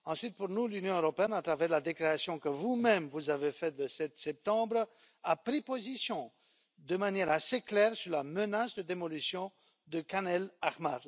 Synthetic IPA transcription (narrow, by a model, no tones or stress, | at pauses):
ɑ̃sɥit̪̚puʁnulynjɔ̃øʁɔpeɛnat̪χavɛʁlad̪ekleasjɔ̃kəvumɛmvuzavefɛt̪ləsɛt̪sɛp̚t̪ɑ̃bʁ | apχipozisjɔ̃ | d̪əmanjɛʁaseklɛʁsyʁlamənasd̪əd̪emɔlysjɔ̃ | d̪əkanɛlaʁmaʁ